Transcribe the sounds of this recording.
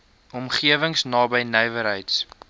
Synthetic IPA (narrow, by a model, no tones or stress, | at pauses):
ɔmχiəvəŋsnɑːbəjnɛjvəɾɦəjts